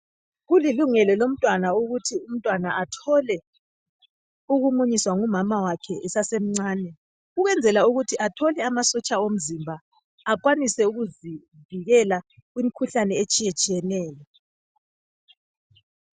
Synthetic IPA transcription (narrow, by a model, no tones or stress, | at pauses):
ɣuliluŋɛlɔlom̩tʼwanauɣutʰium̩tʼwanaʔatʰɔlɛ | uɣuŋ͡ǃuɲiswaŋumamawakʰɛʔɛsasem̩ŋ͡ǀaːnɛ | uɣwɛnd͡zʱɛlauɣutʰiʔatʰɔlɛamasɔt͡ʃʼaom̩zimbʱaː | kʼwanisɛuɣuzi | viɣɛlaɣwimikʰuɬanɛet͡ʃʼijet͡ʃʼijɛnɛːlɛ